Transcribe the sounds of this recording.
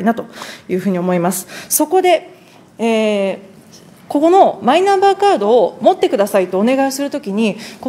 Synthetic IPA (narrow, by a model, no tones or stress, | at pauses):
inat̪o̞jɯ̟ːɸɯ̟ːɲ̟iomo̞imasɨ̥so̞ko̞d̪e̞ | eː | ko̞ko̞no̞mainãmbaːkaːd̪o̞ːmo̞t̪ːe̞kɯ̟d̪asait̪ːo̞ːne̞ɡaisɨɾɯ̟t̪o̞kʲiɲ̟iko